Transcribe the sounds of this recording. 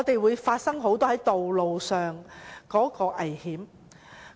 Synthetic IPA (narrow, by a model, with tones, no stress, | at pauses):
ɔː˨˧t̪e˨jwuː˨˧jfaː˧t̚sɐ˥ŋɦo˨˥wt̪ɔː˥hɐ˨˥jt̪o˨wlo˨wsœː˨ŋkɔː˨˥kɔː˧ʔɐ˨˩jhiː˨˥m